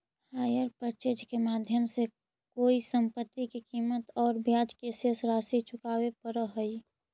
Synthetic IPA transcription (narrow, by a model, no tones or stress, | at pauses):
haːjəɾpəɾt͡ʃeːd͡ʒkemaːd̪ʱjəmse | koːisəmpət̪ːikikiːmət̪ɔːɾbjaːd͡ʒkesəsɾaːsit͡ʃʰʊkaːwepəɾəɦəi